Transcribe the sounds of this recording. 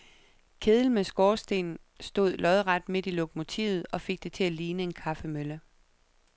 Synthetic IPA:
kʰe̝ðˠl̩mesɡ̥ɒːsd̥e̝̰ːnn̩ | sd̥o̝ð̞̰ˠlʔɒ̽ð̞ˠʁɑ̈d̥me̝d̥ilo̝kʰomo̝t͡sʰḭːʊð̞̩ˠɒ̽fe̝ɡ̥̚d̥e̝t͡sʰe̝æliːnəe̝nkʰɑ̈fəmølə

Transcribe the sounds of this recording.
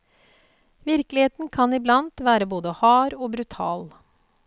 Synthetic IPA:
ʋɪɾklɪheːt̪n̩kʰɑnɪblɑnt̪ʋæːɾəboːd̪əhɑːɾoːbɾʉt̪ʰɑ̰ːl

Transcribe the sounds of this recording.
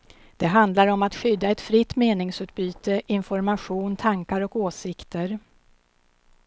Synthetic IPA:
d̪̥ɛɦand̪laɾɔmat̪ɧʏd̪ːaɛt̪fɾɪt̪ːmeːnɪŋsʉ̟ːt̪̚byːt̪əʔɪnfɔɾmaɧuːnt̪ʰaŋkaɾɔkoːsɪkt̪əɾ

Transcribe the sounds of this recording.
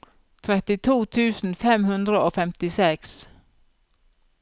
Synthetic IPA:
t̪ʰɾɛt̪ɪt̪ʰuːt̪ʰʉːsn̩fɛmhʉnd̪ɾəoːfɛmt̪ɪsɛks

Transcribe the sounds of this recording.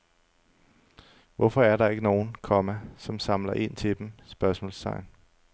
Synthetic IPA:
ʋɒfɒ̽æɐɾ̥ɑ̈e̝ɡ̥əno̝ːn̩kʰɒ̽mæsɒ̽msɑ̈mlɐʔe̝n̰t͡sʰe̝d̥emsb̥ɶɐsmɔ̰lsʰɑ̈ɪn

